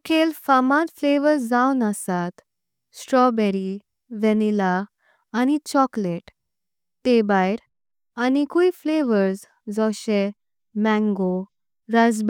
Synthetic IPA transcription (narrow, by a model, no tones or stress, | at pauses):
kʰelfamãt̪fleʋəɾsd͡zawnəsat̪ | sʈɾɔbɛɾi | ʋɛnilaː | ñit͡ɕɔkleʈ | t̪ebajɾ | anikuifleʋəɾs | d͡zɔɕe | mɛ̃ŋɡo | ɾad͡zb